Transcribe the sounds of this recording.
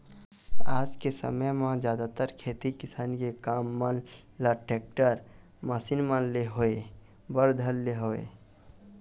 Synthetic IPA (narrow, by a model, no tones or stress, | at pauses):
aːd͡ʒkesə̰məjmãd͡ʒjad̪at̪əɾkʰet̪ikisankekamːən | ləʈek̚ʈəɾ | məsinmanleɦoe | bəɾd̪ʱəlːeɦoḛ